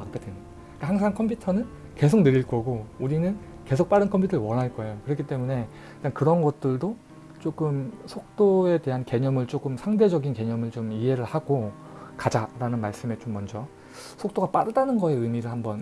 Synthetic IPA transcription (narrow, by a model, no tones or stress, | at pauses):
pak̚p͈edwenɯ | k͈ahaŋs̬ʰaŋkʰʌmpʰutʰʌnɯn | ke̞s̬ʰok̚nɯɾiɭk͈ʌɡouɾinɯn | ke̞sʰok̚p͈aɾɯnkʰʌmpʰutʰɾwʌnɦaɭk͈ʌe̞jokɯɾʌkʰit͈e̞mune̞ | ɯk͈ankɯɾʌnɡʌt̚t͈ɯɭdo | t͡ɕ͈ok͈ɯmsʰok̚t͈oe̞te̞ɦanke̞ɲʌmɯɭt͡ɕ͈ok͈ɯmsʰaŋde̞d͡ʑʌɡinke̞ɲʌmɯɭt͡ɕomiɦe̞ɾɯɭhaɡ̥o | kad͡ʑaɾanɯnmaɭs͈ɯme̞t͡ɕomːʌnd͡ʑʌ | sʰok̚t͈oɡap͈adɯdanɯnɡʌe̞ɯmiɾɯɭhambʌn